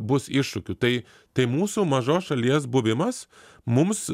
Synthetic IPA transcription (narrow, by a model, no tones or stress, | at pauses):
bʊsɪʃʃʊkʲʊt̪ɐɪ | t̪ɐɪmuːsumɐʒoːsʃɐlʲiɛsbʊʋʲɪmɐs | mʊms